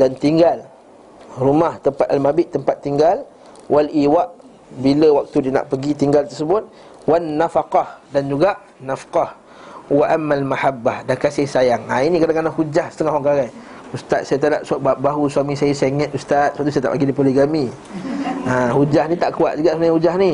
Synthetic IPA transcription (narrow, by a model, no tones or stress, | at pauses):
dant̪iŋɡal | rumaht̪əmpat̪̚almabɪʔt̪əmpat̪ːiŋɡal | walʔiwaʔ | biləwak̚t̪udiəna̰ʔpəɡit̪iŋɡalt̪ərsəbʊt̪̚ | wanːafaqɑhdand͡ʒuɡaʔ | nafqɑh | waʔamːalmahabːahdakasɪhsajaŋainĩkadaŋkanaʔhud͡ʒahsə̥t̪əŋahɦwaŋkaɣaj | ust̪at̪̚sajat̪adaʔ̚suaʔbaɦuswamĩsajəseŋɛt̪̚ust̪at̪̚suwaʔt̪ːusat̪a̰paɡidipoliɡami | ãhud͡ʒahnĩt̪aʔkua̰t̪̚d͡ʒuɡaʔsənaɲahud͡ʒahni